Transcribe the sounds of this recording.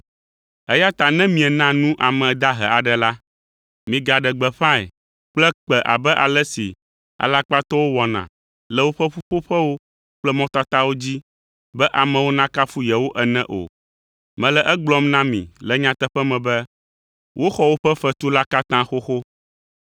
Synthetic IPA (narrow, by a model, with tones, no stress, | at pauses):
ɛ˦ja˦t̪a˨nɛ̃˦mĩ˨ɛ˨nã˦nũ˦ʔa˨mɛ̃˨d̪a˦ɦɛ̰˨a˨ɖɛ˨la˦ | mĩ˨ɡa˨ɖɛ˨ɡ͡bɛ˨ɸã˦ɛ̰˨ | k͡plɛ˦k͡pɛ˨ʔa̰˨bɛ˦ʔa˨lɛ˦si˨ | a̰˨la˦k͡pa˦t̪ɔ˦wo˦wɔ˨nã̰˨ | lɛ˨wo˦ɸɛ˦ɸu˦ɸo˦ɸɛ˦wo˦ | k͡plɛ˦mɔ̃˦t̪a˦t̪a˦wo˦d͡ʑi˦ | bɛ˦ʔa˨mɛ̃˨wo˦nã˦ka˦fu˦jɛ˨wo˦ʔɛ˨nɛ̃˦ʔo̰˨ | mɛ̃˨lɛ˨ʔɛ˦ɡ͡blɔ˦mnã˦mḭ̃˨lɛ˦ɲã˦t̪ɛ˦ɸɛ˦mɛ̃˨bɛ˦ | wʔo˦xɔ˦wo˦ɸɛ˦ɸɛ˦t̪u˦la˦ka˦t̪ã˦xo˦xo˦